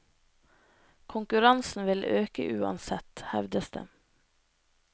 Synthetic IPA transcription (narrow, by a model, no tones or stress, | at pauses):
kʰʊŋkʉɾɑnsn̩ʋɪlʔøːkə̰ʔʉːɑ̰nsɛt̪hɛ̰ʋd̪əsd̪ə̰